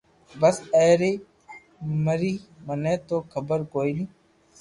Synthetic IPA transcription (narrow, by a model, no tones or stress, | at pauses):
bəseːɾeː | məɾiːməneːt̪oːkʰəbəɾkoːilĩː